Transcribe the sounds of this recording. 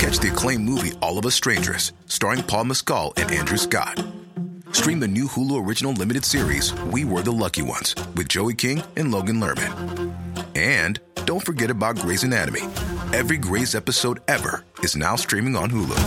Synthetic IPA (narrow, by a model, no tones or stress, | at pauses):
kʰæt͡ʃðəkʰl̥ẽɪ̃mːuviʔɔlˠʌvəstɹ̥ẽɪ̃nd͡ʒə̰˞s | stɑɹɪ̃ŋpʰɔlˠməskɔ̰lˠɨ̰̃nʔæ̰̃ndɹʉskɑ̰d̥̚stɹ̥ĩmðɨnʉhulˠuə˞ɪd͡ʒɨnl̩ˠlɪ̃mɨɾɨd̥sɪɹḭz̥wiwə˞ðəlʌkiwʌ̰̃nz̥wɨðd͡ʒoʊikʰɪ̃ŋʔɨ̃nloʊɡɨ̃nlɜ̰˞mɨ̰̃n | ɨ̃nd̥õʊ̃ntfə˞ɡɛɾɨbaʊt̚ɡ̥ɹeɪzɨ̃næɾɨ̰mḭɛvɹiɡɹeɪzɛpɨsoʊɾɛvə̰˞ɨzna̰ʊstɹ̥ĩmɪ̃ŋə̃nɦulˠṵ